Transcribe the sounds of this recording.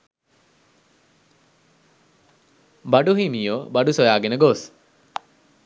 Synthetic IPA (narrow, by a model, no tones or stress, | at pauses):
baɖuɦimiːoːbaɖusojaːɡenəɡos